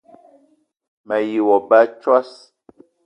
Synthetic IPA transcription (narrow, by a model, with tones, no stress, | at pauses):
mɛ˨ji˨wɔ˨ba˦t͡ʃwa˦s